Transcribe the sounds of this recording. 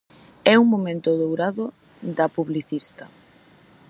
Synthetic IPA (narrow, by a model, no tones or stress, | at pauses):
ɛuŋmomẽnt̪ʊðowɾaðo | d̪ɐpuβliθist̪ɐ